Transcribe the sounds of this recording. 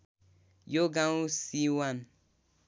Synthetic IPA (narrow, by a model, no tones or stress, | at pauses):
joɡaŋusiwan